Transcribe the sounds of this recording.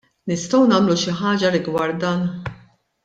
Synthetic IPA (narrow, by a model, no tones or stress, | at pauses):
nɪst̪ɔwnɐːmluʃɪħɐːd͡ʒɐɾɪɡwɐɾt̪̚d̪ɐːn